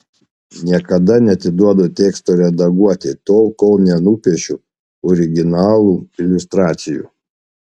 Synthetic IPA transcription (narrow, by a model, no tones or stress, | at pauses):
nʲiɛkɐd̪ɐnʲɛɐt̪ʲɪd̪uɔd̪oːt̪ʲeːkst̪oːɾʲɛd̪ɐɡuɔt̪ʲet̪oːlˠkɔlˠnʲɛnuːpʲiɛʃʲuː | ɔɾʲɪɡʲɪnɑːlˠuːɪlʲʊst̪ɾɑːt̪sʲɪjṵː